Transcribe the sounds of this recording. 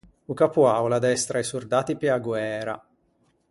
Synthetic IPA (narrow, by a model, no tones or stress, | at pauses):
ukapuawlad̪ɛst̪ɾaɛsurd̪aːt̪ipiaɡwɛːɾa̰